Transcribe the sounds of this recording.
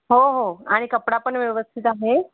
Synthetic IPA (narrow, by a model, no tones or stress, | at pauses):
ɦoɦoaɽ̃ikəpɽapəɳʋjeʋəst̪ʰit̪aɦe